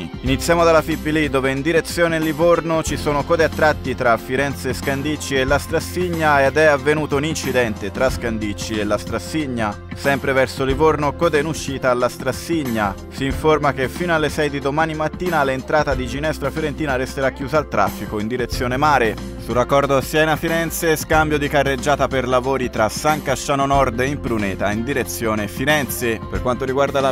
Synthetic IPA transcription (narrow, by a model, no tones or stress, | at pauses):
init̪sːjamod̪alːafipːilid̪oːveind̪iɾet̪sːjoːnelivornot͡ʃisoːnokɔːd̪eat̪ːɾat̪ːit̪ɾafiɾɛnt̪seskand̪it͡ʃːielːast̪ɾasːiɲːaed̪ɛavːenuːt̪ounint͡ʃid̪ɛnt̪et̪ɾaskand̪it͡ʃːielːast̪ɾasːiɲːa | sɛmpɾevɛrsolivornokɔd̪enuʃːiːt̪aːlːast̪ɾasːiɲːa | siːɱformak̟efːiːnoalːesɛjd̪id̪omaːnimat̪ːiːnalent̪ɾaːt̪ad̪id͡ʒinɛst̪ɾafjoɾent̪iːnaɾest̪eɾakjuːzaːlt̪ɾa̰fːikoind̪iɾet̪sjoːnemaːɾe | surakːɔrd̪osjɛːnafiɾɛnt̪seskambjod̪ikarːed͡ʒːaːt̪aperlavoːɾit̪ɾasaŋkaʃːaːnonɔrd̪eimpɾunɛːt̪aind̪iɾet̪sːjoːnefiɾɛnt̪seperkwant̪oɾiɡward̪ala